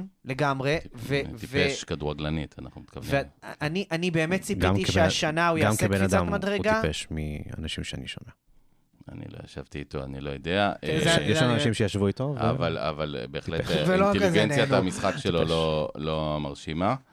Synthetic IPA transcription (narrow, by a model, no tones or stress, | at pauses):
leɡamʁevet̪iveʃkaduʁaɡlanit̪ʰanaχnumit̪kavvieaniʔanibe̞ːmet̪t͡sipɡiamikeʃeaʃanaujɡamkebenad̪ammad̪ʁeuɡ̪iapeʃmia̰naʃimʃeanḭʃo̰me | a̰nḭloja̰ʃavt̪iːt̪oa̰nilojod̪eaʔezjɛʃlamanaʃimʃejaʃvuit̪ovvala̰valbeːχlevelot̪ɡent͡sjat̪amisχakʃelololomaʁʃima